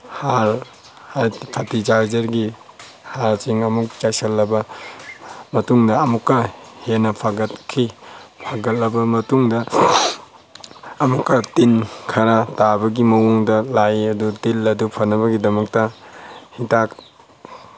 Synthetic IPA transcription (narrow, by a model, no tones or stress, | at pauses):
haɾ | hajpʰɐtid͡ʒaɾd͡ʒɐɾɡi | haɾsiŋɐmuk̚t͡ʃasɐlːɐbɐ | mɐtuŋdɐːmukːɐhenɐpʰaɡɐt̚kʰipʰaɡɐlːɐbɐmɐtuŋdɐ | mukːɐtinkʰɐɾɐtabɐɡimɐwuŋdɐlajɐdutilɐdupʰɐnːɐβɐɡidɐmɐk̚tɐhitak